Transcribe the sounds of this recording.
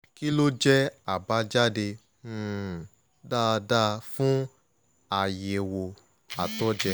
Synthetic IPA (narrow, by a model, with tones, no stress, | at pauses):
ki˦lo˦d͡ʒɛ˦a˨ba˨˦d͡ʒa˦de˧˦˨ | da˦˨˧da˦fũ˦ | a˨je˨wo˨ | a˨tɔ˦d͡ʒɛ˧